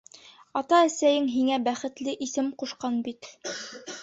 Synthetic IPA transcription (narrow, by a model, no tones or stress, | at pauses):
ɑt̪ɑæsæjɘŋɦiŋæbæχɘ̆t̪lɘʔisɘmquʃqɑnbit̪